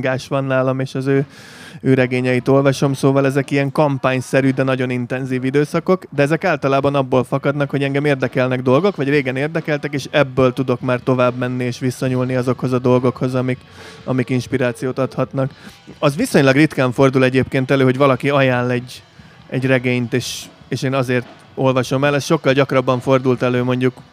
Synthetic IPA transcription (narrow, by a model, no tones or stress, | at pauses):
ɡaːʃʋɒnːaːlɒmeːʃɒzøː | øːɾɛɡeːɲɛjit̪o̞lvɒʃo̞msoːvɒlɛzɛkiɛŋkɒmpaːɲsɛɾyd̪ɛnɒɟo̞nint̪ɛnziːvid̪øːsɒko̞kd̪ɛɛzɛkaːlt̪ɒlaːbɒnɒbːoːlfɒkɒd̪nɒkho̞ɟɛŋɡɛmeːrd̪ɛkɛlnɛɡd̪o̞lɡo̞kʋɒɟreːɡɛneːrd̪ɛkɛlt̪ɛkeːʃɛbːøːlt̪ud̪o̞kmaːrt̪o̞vaːbmɛnːieːʃʋisɒɲulniɒzo̞kho̞zɒd̪o̞lɡo̞kho̞zɒmik | ɒ̰mikinʃpiɾaːt̪sijoːt̪ɒt̪hɒt̪nɒkɒzʋiso̞ɲlɒɡrit̪kaːɱfo̞rd̪ulɛɟeːpkeːnt̪ɛløːɦo̞ɟvɒlɒkiɒjaːnlɛɟː | ɛɟrɛɡeːɲt̪eːʃeːʃeːnɒzeːrt̪ | o̞lvɒʃo̞mɛlɛsʃo̞kːɒlɟɒkrɒbːɒɱfo̞rd̪ult̪ɛløːmo̞ɲɟuk